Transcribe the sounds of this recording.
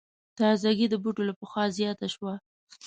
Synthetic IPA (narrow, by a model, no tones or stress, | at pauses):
t̪ɑzaɡid̪əbuʈolapəxwɑzjɑt̪aʃwa